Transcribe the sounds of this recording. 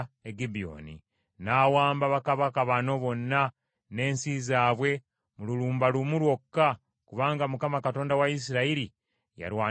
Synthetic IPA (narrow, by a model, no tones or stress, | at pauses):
eɡibio̞̰ːnḭ | naːwaːmbaβakaβakaβano̞βo̞nːa | ne̞ːnsizaːβwe̞ | mululuːmbalumulwo̞kːa | kuβaːŋɡamukamakato̞ːndawais̬iɾaiɾi | ja̰ɾwaː